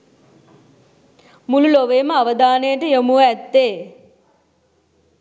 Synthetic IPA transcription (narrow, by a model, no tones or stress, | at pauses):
mululoʋeːməaʋəd̪aːnəjəʈəjəmuəæt̪ːeː